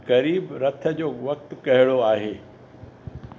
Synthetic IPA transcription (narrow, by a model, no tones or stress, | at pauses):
kɐɾiːbɾɐt̪ʰə̆d͡ʑoːʋɐk̚t̪kɐɦɪɽoaːɦeː